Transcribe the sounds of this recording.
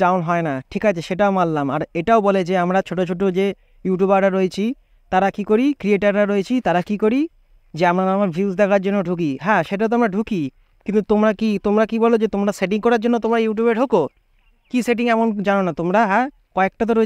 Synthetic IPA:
awnɦɔenaʈʰikat͡ɕʰeʃeʈaomallama̰ɾeʈaoboled͡ʑeamɾat͡ɕʰoʈot͡ɕʰoʈ̬od͡ʑe | juʈjubaɾɾaɾːoet͡ɕʰi | t̪aɾakikoɾikɾieʈaɾːaɾoet͡ɕʰit̪aɾakikoɾi | d͡ʑeamɾaamaɾbʱiusd̪ɛkʰaɾd͡ʑonːoɖʱuk̬iɦɛ̃ʃeʈ̬at̪̬amɾaɖʱuki | kint̪ut̪omɾakit̪omɾakibɔlod͡ʑet̪omɾaseʈ̬iŋkɔɾaɾd͡ʑonːot̪omɾajuʈ̬jubeɾɖʱoko | kiseʈ̬iŋɛmond͡ʑanonat̪omɾaɦɛ̃ | kɔek̚ʈat̪̬oɾoe

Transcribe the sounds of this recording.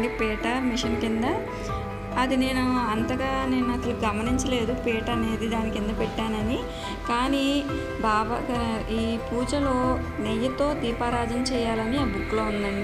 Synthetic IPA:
ɳɖipɛːʈɐːɾmiʂɐnkind̪ɐ | ɐd̪ine̞ːnuɐnt̪ɐɡaːne̞ːnuɐt̪ɐluɡɐmɐniɲt͡ʃɐle̞ːd̪upɛːʈɐɐne̞ːd̪id̪aːnikind̪ɐpɛʈːaːnɐni | kaːniː | bʱaːʋɐ̰ɐiːpuːd͡ʒɐlo̞ː | nejɐt̪o̞ːd̪iːpaːɾaːd͡ʒɐmt͡ʃɛːjaːlɐniaːbukːloːund̪ɐɳɖi

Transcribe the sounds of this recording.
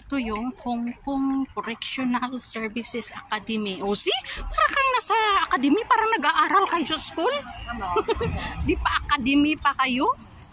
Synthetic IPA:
t̪ojʊŋkoŋkoŋpoɾɛkʃonalsɛɹvɪsɛsʔɐkad̪ɛmiʔoːsipaːɾɐkɐŋnasɐɐkad̪ɛmipaːɾɐnɐɡaʔaːɾɐlkɐjosɐskul | d̪ipɐʔɐkad̪ɛmipɐkɐjo

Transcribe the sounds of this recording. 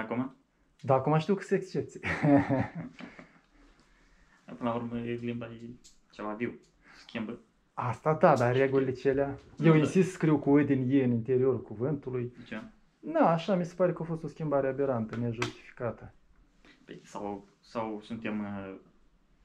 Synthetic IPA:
akuma | d̪aːkumaʃt̪iwkɨt̪səekst͡ʃep̚t̪sie | dapɨnlauɾməelimbaje | t͡ʃevaviw | skʲimbə | ast̪ad̪ad̪areɡulilet͡ʃe̞leaje̞winnsist̪skɾiwkuod̪enjejɨnint̪e̞ɾio̞ɾulkuvɨnt̪ulujt͡ʃa | d̪aːʃamisepaɾe̞kəofo̞st̪o̞skʲimbaɾeabe̞ɾant̪əneʒust̪i̥fi̥kat̪ə | pḛsaw | sawsunt̪em

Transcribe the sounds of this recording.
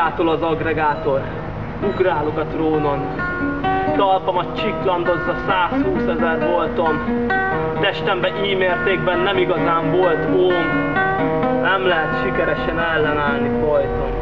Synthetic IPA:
aːt̪olɒzɒɡrɛɡaːt̪or | uɡraːlokɒt̪roːnon | t̪ɒlpɒmɒt͡ʃiklɒnd̪ozːɒsaːshuːsɛzɛrʋo̞lt̪om | t̪ɛʃt̪ɛmbɛʔiːmeːrt̪eːɡbɛnːɛmiɡɒzaːɱvolt̪oːn | nɛmlɛɦɛt̪ʃikɛɾɛʃɛnɛlːɛnaːlnifɒjt̪om

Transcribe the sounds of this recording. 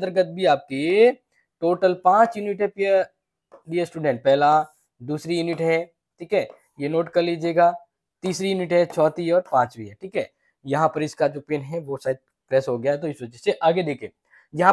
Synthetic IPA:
d̪əɾɡət̪̚bʱiaːp̚ke | ʈoːʈəlpãːt͡ʃjʊnɪʈɦɛpiə | ɖiesʈuːɖɛ̃ɳʈ̚pɛɦla | d̪uːsɾijunɪʈɦɛ | ʈʰiːkɦɛː | jenoːʈkɐɾliːd͡ʒeːɡaː | t̪iːsɾijunɪʈɦɛt͡ʃʰɔːt̪iɔːɾpãːt͡ʃʋiɦɛʈʰiːkɦɛː | jɐɦãpɐɾɪskad͡ʒoːpeːnɦɛʋosaːɪd̪̚ | pɾɛːsɦoɡɐjaɦɛt̪̬oɪsʋɐd͡ʒəseʔaːɡed̪eːkʰeː | jɐɦã

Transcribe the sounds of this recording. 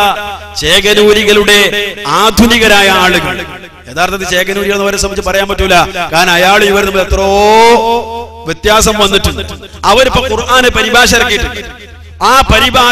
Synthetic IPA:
t͡ɕe̞ːkɐnuːɾiɣɐluɽe̞aːd̪ʱuniɣɐɾaːjɐaːɭɨɣɐɭɨ | e̞ːðaːrt̪ɐðɨt͡ɕe̞ːkɐnuːɾiɣɐɭenːɐʋɐɾsɐmːit͡ɕːɨp̬ɐrɐjaːmpɐʈːumilːɐkaːɾnɐjaːɭɨiʋɐɾnɐmːɐlet̪ːrɐː | ʋjet̪jaːsɐmʋɐnːiʈːunːɨ | ɐʋɐɾipːokurʔaːnepɐɾibʱaːɕ̬ɐrɐkːijiʈːɨ | aːpɐɾibʱaː

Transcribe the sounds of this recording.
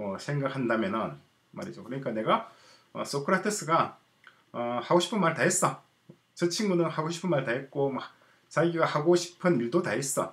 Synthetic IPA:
ʌsʰe̞ŋɡak̚handamjʌnɯn | ma̰ɾid͡ʑokɯɾʌɲik͈ane̞ɡa | ʌ̰s͈okʰɯɾatʰɯs͈ɯɡa | ʌhaɡoɕʰi̥pʰɯnmaɭtaɦes͈ʌ | t͡ɕɯt͡ɕʰiŋɡunɯnhaɡoɕʰi̥pʰɯnmaɭtaɦe̞t̚k͈oma | t͡ɕaɡiɡahaɡoɕʰi̥pʰɯniɭdotaɦes͈ʌ̰

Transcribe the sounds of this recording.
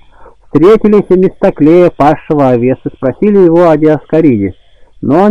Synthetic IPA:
fst̪ɾʲetʲɪlʲɪsʲmʲɪst̪ɐklʲejəpaʂːəvəɐvʲe̞sɨspɾɐsʲilʲɪjɪvoɐdʲɪɐskɐɾʲidʲɪ | no

